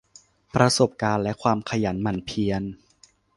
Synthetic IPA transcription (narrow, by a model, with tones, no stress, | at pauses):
pɾa˧so˨˩p̚kaː˧nlɛ˦˥kʰwaː˧mkʰa˧ja˩˦nma˧˩npʰi˧ən